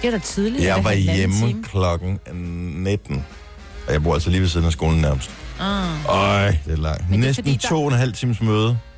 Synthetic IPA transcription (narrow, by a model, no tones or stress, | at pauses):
iɐd̥at͡sʰiðˠlijɑ̈ɪʋɑ̈jeməkʰlɒ̽ɡ̥n̩ned̥n̩ | ɒ̽jɑ̈b̥o̰ɐæ̰l̰sɒliːʋesiːð̞ˠnæsɡ̥o̝ːln̩næɐməsd̥ | ɔɪd̥elɑ̈ŋ̰nesd̥n̩t͡sʰo̝̰ːenɦæl̰t͡sʰḭːməsmøːð̞ˠə